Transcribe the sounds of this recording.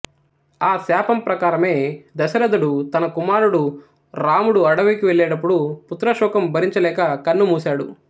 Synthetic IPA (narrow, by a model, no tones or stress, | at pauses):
aːsaːpɐmpɾɐkaːɾɐme̞ːd̪ɐsɐɾɐd̪uɽut̪ɐnɐkumaːɾuɽu | ɾaːmuɽuɐɽɐʋikiʋeɭːɛːɽɐp̬ːuɽuput̪ɾɐʃɔːkɐmbʱɐɾiɲt͡ʃɐlɛːkɐkɐnːumuːsaːɽṵ